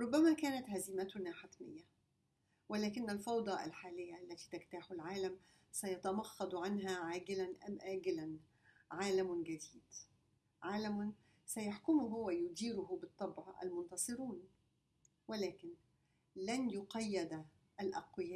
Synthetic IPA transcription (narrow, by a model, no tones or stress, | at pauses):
ɾˤʊbːæmækæːnæt̪hæzɪmæt̪ʊnaːħat̪mɪ̰jːa | wɪlæːkɪnːælfɑwd̪ˤɑʔa̰lħaːlɪjːaʔælːæt̪iːt̪ækt̪aħʊlʕaːlæm | sæjɑt̪æmɑxːɑd̪ˤʕanɦæʕaːɡɪlænʔæ̰mʔaːɡɪlæn | ʕaːlæmɡæd̪iːd̪ | ʕaːlæm | sæjaħkʊmʊɦʊwːæjʊd̪iːɾʊɦʊbɨt̪ˤːɑbʕɑʔæ̰lmʊnt̪ɑsˤɨɾuːn | wɪlæːkɪn | lænjʊqɑjːɪd̪ | ʔælʔɑ̰qwɪjæː